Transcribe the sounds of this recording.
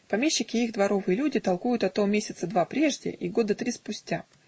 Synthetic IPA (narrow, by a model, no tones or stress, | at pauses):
pɐmʲeɕːɪkʲɪiɣd̪vɐɾo̞vɨjəlʲudʲɪt̪ɐlˠkujʊt̪ɐt̪omʲesʲɪt̪səd̪vapɾʲe̞ʐdʲɪ̰ʔiɡo̞d̪ət̪ɾʲispʊsʲtʲa